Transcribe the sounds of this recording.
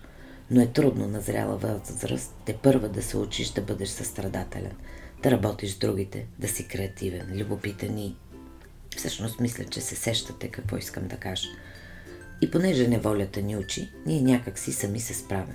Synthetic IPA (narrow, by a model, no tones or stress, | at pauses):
noɛt̪ɾud̪nonɐzɾʲa̰lˠə̰vəzzɾə̰st̪ːɛpɤɾvəd̪ɐsɛut͡ʃiʃd̪ɐbɤd̪ɛʃsɐst̪ɾɐd̪at̪ɛ̰lʲɛ̰nd̪̥ɐɾɐbɔt̪iʒzd̪ɾuɡ̟it̪ɛ̰d̪ɐsikɾɛɐt̪ivɛnlʲubopit̪əni | fsɤʃnost̪mislʲə̰t͡ʃɛsɛsɛʃt̪ət̪ɛkɐkvɔ̰iskəmd̪ɐkaʒ | iponɛʒɛnɛvɔlʲət̪əniut͡ʃiniɛnʲakəksisɐmisɛspɾavɛm